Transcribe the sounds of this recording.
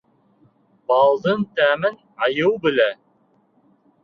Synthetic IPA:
bɑlˠd̪ɤnt̪æmɘn | ɑjɤwbɘ̆læ

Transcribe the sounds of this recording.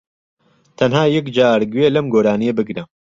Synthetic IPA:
t̪ʰɐnɦaːjɐkd͡ʒaːɾɡɥelɐmɡoːɾaːnijɐbɨɡnɐ

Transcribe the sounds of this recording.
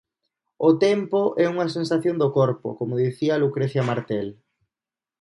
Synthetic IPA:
ot̪ɛmpoʔɛuŋɐs̬ensaθjond̪okɔɾpo̰komoðiθiɐlukɾeθjamaɾt̪ɛl

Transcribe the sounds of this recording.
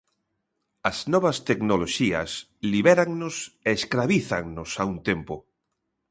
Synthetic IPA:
ɐznɔβast̪eknoloʃia̰s | liβɛɾaŋnoseːskɾaβiθaŋnosaunt̪empo

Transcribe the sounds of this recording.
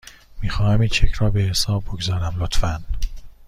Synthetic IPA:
miːxɒːhæmiːnt͡ʃʰecʰɾɒːbehesɒːbbːoɡzɒːɾæmlot̪fæn

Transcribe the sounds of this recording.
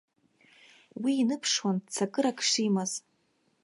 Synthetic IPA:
wiːnɨpʰʂwant͡sʰakʼɨɾakʰʂimaz̥

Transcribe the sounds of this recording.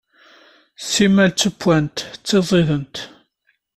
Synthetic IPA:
simːælt͡sːəpːwænt̪t͡sːeðˤeðənt̪

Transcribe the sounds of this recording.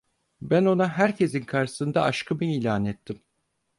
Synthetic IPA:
bæno̞naɦæɾcʰe̞zinkʰaɾɯsɯnd̪aʔaʃkʰɯmɯiːlʲaːnɛt̪ʰːim

